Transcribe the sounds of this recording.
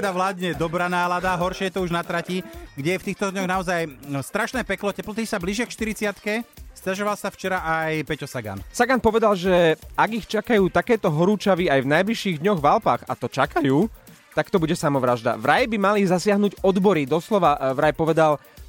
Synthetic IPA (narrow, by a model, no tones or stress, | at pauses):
ɛd̪aʋlaːd̪ɲɛd̪ɔbɾaːnaːlad̪aɦɔɾʃɪɛjɛt̪ɔuʒnat̪ɾaciɡɟɛjɛft̪iːxt̪ɔd̪ɲɔɣnaɔzajst̪ɾaʃnɛːpɛklɔcɛplɔt̪isabliʒakʃt̪iɾit͡sɪat̪kɛst̪aʒɔʋalsaft͡ʃɛɾaʔajpɛcɔsaɡa̰nsaɡanpɔʋɛd̪alʒɛaɡixt͡ʃakajuːt̪akɛːt̪ɔɦɔɾuːt͡ʃaʋiajvnajbliʃiːɣd̪ɲɔɣʋalpaːɣa̰t̪ɔt͡ʃakajuː | t̪akt̪ɔbuɟɛsamɔʋɾaʒd̪a̰ʋɾajbimalizasɪaɦnuːɟɔd̪bɔɾid̪ɔslɔʋaʋɾajpɔʋɛd̪al